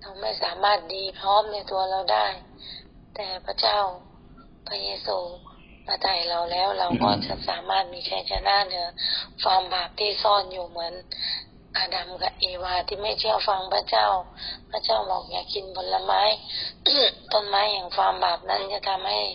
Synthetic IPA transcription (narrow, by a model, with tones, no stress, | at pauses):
la˧wma˥˩jsaː˨˦maː˧˩t̪̚diː˧pʰlɔː˧˥˨mna˧˩t̪u˧ɐla˧˩˨wdaː˥˩j | t̪ɛː˨˩pʰa˧˥t͡ɕa˥˩˨w | pʰa˧jeː˧suː˧ | maː˧t̪ʰa˨˩jla˧˩wlɛː˧˥˩wla˧wkɔː˧˩t͡ɕa̰˧˦sa̰ː˨˦maː˧˥˩t̪̚miː˧˥kʰa˧˩jt͡ɕa˧naː˧˥˨nɯ˨˦ɐfaː˧˥mbaː˨˩p̚t̪ʰiː˧˩sɔː˧˩˨njuː˧˩mɯ˩˨˦ən | ʔa˧˩da˨˩mka˧ʔeː˧˩waː˧t̪ʰiː˧˩ma˥˩jt̪ʰi˧˥˩əwfa˧ŋpʰa˧˥t͡ɕa˥˨wpʰa˧t͡ɕa˥˩wbɔ̰ː˨˩k̚jaː˧˩kʰi˧˨nbo˧˦n̚la˧maː˧˥˨j | t̪ɔ˧˨nmaː˨˦˥jɲaː˨˩ŋfaː˧˥mbaː˨˩p̚na˧˥˨nt͡ɕa˧˨t̪ʰa˧mha˥˩j